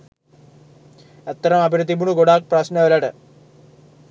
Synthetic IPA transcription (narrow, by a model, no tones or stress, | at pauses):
et̪ːɐɾɐmɐbʱiɾɨd̪ːibuɳuɡoɽaːk̚prɐɕnɐʋɐlɐɽɨ